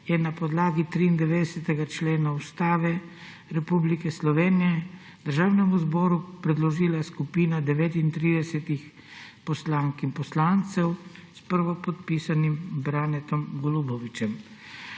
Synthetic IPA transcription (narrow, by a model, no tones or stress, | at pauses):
jɛnapɔd̪laːɡit̪ɾiːnd̪ɛʋeːd̪ɛsɛt̪ɛɡat͡ʃleːnaust̪aːʋɛ | ɾɛpublikɛslɔʋeːnijɛ | d̪̥əɾʒaːwnɛmuzbɔːɾupɾɛd̪lɔʒiːlaskupiːnad̪ɛʋeːt̪int̪ɾiːd̪ɛsɛt̪ix | pɔslaːŋkimpɔslaːnt̪sɛwspəɾʋɔpɔt̪piːsanimbɾanɛt̪ɔmɡɔlubɔʋit͡ʃɛm